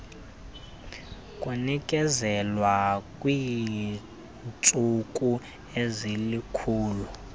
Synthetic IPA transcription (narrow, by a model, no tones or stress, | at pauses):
kʼunikʼɛzɛlwakʼwiː | nt͡sʼukʼu | ezilikʰuːlu